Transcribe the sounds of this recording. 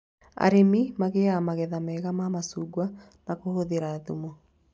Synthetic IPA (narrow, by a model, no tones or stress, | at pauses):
a̰ɾemimaɣeamaɣɛðamɛɣamamasuːɡwa | nakohoðeɾaðumo